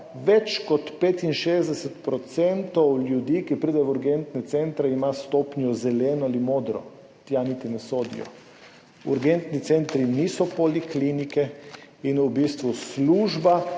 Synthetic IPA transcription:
ʋɛt͡ʃkɔt̪peːt̪inʃezd̪ɛsɛt̪pɾɔt̪sɛnt̪ɔwlʲjud̪iːkipɾiːd̪ɛjuɾɡent̪nɛt̪sɛnt̪ɾɛimast̪oːpnjɔzɛlɛːnɔalimoːd̪ɾɔ̰ | t̪janit̪inɛsoːd̪ḭjɔ̰ | ṵɾɡɛnt̪nit̪sɛnt̪ɾinisɔpɔliklinikɛinubiːst̪ʋusluːʒba

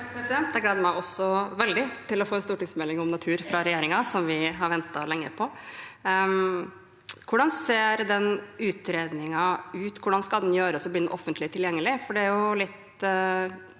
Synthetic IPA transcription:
pʰɾɛsɪd̪ɛnt̪̚d̪ɛɡlæːd̪əɾmæɪɔsɔʋɛld̪ɪt̪ʰɪlɔfoːɛnst̪uːʈɪŋsmɛlɪŋɔmnɑt̪ʰʉːɾfɾɑɾɛjeːɾɪŋɑsɔmʋɪɦɑɾʋɛnt̪ɑlɛŋːəpʰɔ | kʰʊɖɑnseːɾd̪ɛnʉːt̪ɾeːd̪nɪŋɑʉːt̪kʰʊɖɑnskɑld̪ɛnjøːɾəsɔbliːnʊʔɔfːənt̪lɪt̪ʰɪljɛŋːəlɪfɔɖɛæɾjʊlɪt̪

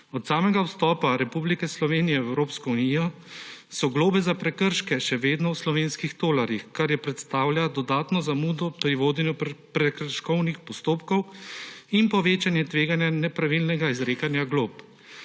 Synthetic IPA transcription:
ɔt̪saːmɛɡawst̪ɔːpaɾɛpublikɛslɔʋeːnijɛɛwɾoːpskɔuniːjɔsɔɡloːbɛzapɾɛkəɾʃkɛʃɛʋeːd̪nɔwslɔʋeːnskixt̪oːlaɾjixkaɾjɛpɾɛt̪st̪aːwljad̪ɔd̪aːt̪nɔzamuːd̪ɔpɾiʋoːd̪ɛnjɔpɾɛkəɾʃkɔwnixpɔst̪oːpkɔw | inpɔʋeːt͡ʃanjɛt̪ʋeːɡanjanɛpɾaʋilnɛɡaizɾeːkanjaɡloːp

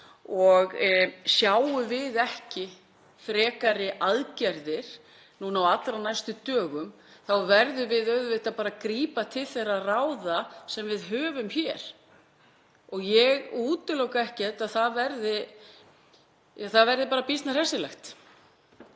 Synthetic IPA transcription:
ɔɣsjaːwʏvɪðɛhcɪ | fɾɛːkaɾɪʔaðcɛɾðɪɾ̥ | nunawat̪lɾanajst̪ʏt̪œːɣʏm | θawvɛɾðʏvɪðœɥðvɪt̪aðpaːɾakɾiːpat̪ʰɪlθejrarawðasɛmvɪðɦœːvʏmçɛɾ̥ | ɔɣjɛɣuːt̪ʏlowkaɛhcɛt̪aðθaðvɛɾðɪ | θaðvɛɾðɪpaːɾapist̪naɾ̥hɛsɪlɛxt̪

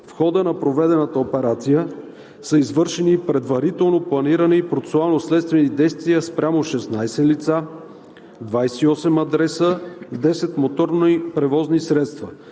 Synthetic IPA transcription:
fxɔd̪ənɐpɾovɛd̪ɛnət̪əopɛɾat̪sijə | səizvɤɾʃɛnipɾɛd̪vɐɾit̪ɛlˠnoplˠɐniɾənipɾot̪ɛ̥soalˠnoslɛt̪st̪vɛnid̪ɛjst̪vijəspɾʲʔamoʃɛsnajsɛlit̪sa | d̪vajsɛiɔsɛmɐd̪ɾɛsəd̪ɛsɛt̪mot̪ɔɾnipɾɛvɔznisɾɛt̪st̪və

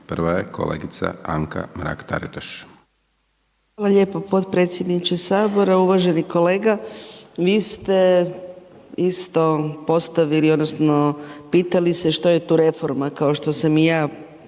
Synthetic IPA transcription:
pr̩ʋajeko̰lḛːɡit̪sa̰aŋkʰa̰mɾa̰ːkt̪a̰ɾit̪aʃ | xʋʋaːlaʎe̞ːpopo̞t̪pɾe̞ːt̪sje̞d̪nit͡ʃesaːbo̞ɾauʋaʒe̞niko̞le̞ːɡaʋiːst̪e̞ | ist̪o̞po̞st̪aʋiliod̪nosno̞piːt̪alise̞ʃt̪oje̞t̪uːɾe̞fo̞ɾmakao̞ʃt̪o̞samijaː

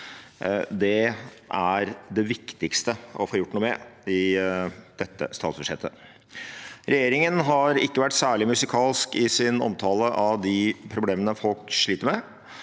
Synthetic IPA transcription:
d̪ɛ | ʔæɾd̪ɛʋɪkt̪ɪkst̪əɔfoːɾjʊʈːnuːmɛɪ | d̪̥ɛt̪ːə̰st̪ɑːt̪sb̥ʉʂɛ̰t̪ːə | ɾɛjeːɾɪŋənɦɑɾɪkːəʋæʈːsæːɭɪmʉsɪkʰɑːlskɪsɪnɔ̰mt̪ʰɑːləʔɑʋd̪ɪpʰɾʊbleːmənəfɔlkʂɭiːt̪əɾmɛ

